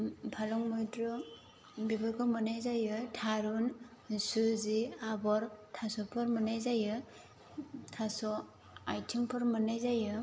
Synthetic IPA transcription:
pʰalɔŋmɔjdɾɔ | bibɯkʰɔmɯnajzajɯtʰaɾun | suziabɔɾtʰasɔpʰɯɾmɯnajzajɯ | tʰasɔ | ajtʰiŋpʰɯɾmɯnajzajɯ

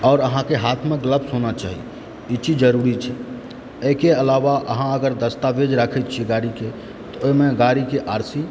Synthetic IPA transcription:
ɔːɾəɦãkeɦat̪ʰmeɡləbsonat͡ʃa̰ɦḭ | it͡ʃid͡ʒd͡ʒəɾuɾit͡ʃʰɛ | əkeəlaʋaʔə̰ɦãəɡəɾd̪əst̪abed͡ʒɾakʰɛt̪̚t͡ʃʰiɡaɾike | t̪ɔoimeɡaɾikeʔaɾsi

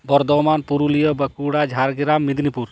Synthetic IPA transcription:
bɔɾd̪ɔmanpuɾulijɔbəkuɽad͡ʒʱaɾɡiɾamːid̪ʱnipuɾ

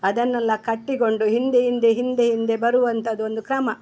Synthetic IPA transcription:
ɐd̪ɐnːɐlːɐkɐʈːiɡo̞ɳɖuɦind̪eɦind̪e̞ɦind̪eɦind̪e̞bɐɾuʋɐnt̪ɐd̪uo̞nd̪ukɾɐmɐ

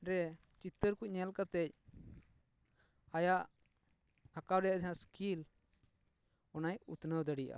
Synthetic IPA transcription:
ɾɛ | t͡ʃit̪ːəɾkuc̚ˀɲɛlkat̪ɛc̚ | ajaʔ | hakawɾɛjaʔd͡ʒaãskil | ɔnajṵt̪nəwd̪əɽija̰ʔa̰

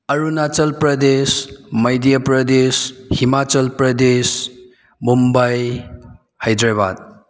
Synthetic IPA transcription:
ɐɾunat͡ʃɐlpɾɐd̪esmɐjdijəpɾɐd̪eshimat͡ʃɐlpɾɐdes | mumbaj | hɐjd̪ɾaba̰d̪̚

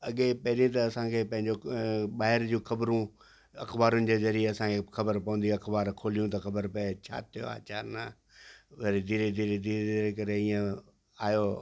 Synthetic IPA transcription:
ɐɠepɐɦɪɾĩt̪ɐɐsãkʰeːpɐ̃ɦɪ̃ɲd͡ʑoɓaːɦɪɾd͡ʑũːxɐbɾũ | ɐ̰xbaːɾʊnɪ̆d͡ʑezɐɾieɐsãkʰexɐbəɾpɐ̃ʋə̃nd̪iɐxbaːɾkʰoːlijũt̪ɐxɐbəɾpɐet͡ɕʰa̰ːt̪ʰijo̰a̰ːt͡ɕaːɾna | ʋɐɾid̪iːɾed̪iːɾed̪iːɾed̪iɾekɐɾeiːə̃ | aːjoː

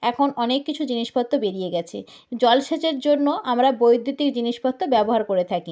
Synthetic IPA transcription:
ɛkʰonɔnekːit͡ɕʰud͡ʑiniʃpɔt̪ːobeɾijeɡɛt͡ɕʰḛ | d͡ʑɔlʃet͡ɕeɾd͡ʑonːoʔamɾabojd̪ʱːut̪ikd͡ʑiniʃpɔt̪ːobɛboɦaɾkoɾet̪ʰaki

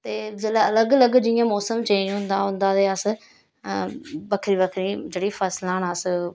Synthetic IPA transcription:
t̪eːlələɡələɡd͡ʒɪjãːmɔːsəmt͡ʃẽːnd͡ʒɦʊ̃nd̪ãːɦʊ̃nd̪ãːt̪eːəs | bəkʰɾiːbəkʰɾiːd͡ʒeːɽiːpʰəslãːnəs

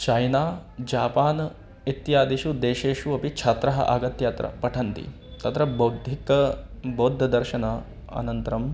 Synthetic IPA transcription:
t͡ʃɐjnaːd͡ʒaːpaːn | it̪jaːd̪iʃud̪eːʃeːʂuɐpit͡ʃʰɐt̪ɾɐɦɐ̰ʔa̰ːɡɐt̪jaːt̪ɾɐ̰pɐʈʰɐnt̪ḭ | t̪ɐt̪ɾɐbɐwd̪ʱikɐboːd̪ʱːɐd̪ɐɾʃɐnɐ | ɐ̰nɐnt̪ɐɾɐm

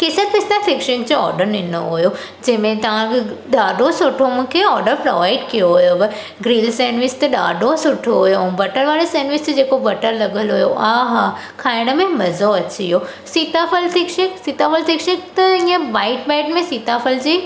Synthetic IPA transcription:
kɪsətpɪst̪afɪkʃɪnd͡ʑoɔ̰ːɾɖəɾɪno̰ɦujo | d͡ʑɐ̃ɦɪ̃mẽt̪ɐʋ̤ãkʰɪɗaːɖosʊʈʰomũːkʰeɔːɾɖəɾpɾo̰ʋaːɪɖkijoɦujoʋɐ | ɡɾiːlseːnʋɪst̪ɐɗa̰ːɖʱosʊʈʰoɦujobɐʈəɾʋaːɽeseːnʋɪsd͡ʑeːkobɐʈəɾlɐɠəlɦujo̰aːɦakʰaːɪɽ̃ə̆mẽmɐzoɐt͡ɕiɦo | siːt̪afəlsʰɪkʃɪksiːt̪afəlsɪkʃek̚t̪ɐĩːə̃ʋaːɪʈ̚baːɪʈmẽsiːt̪afəld͡ʑiː

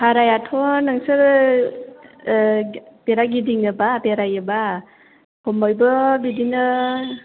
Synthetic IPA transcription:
haɾajatʰɔnaŋsɯɾ | peɾaɡidiŋɯbapeɾajɯba | hɔmɔjbɯbidinɯ

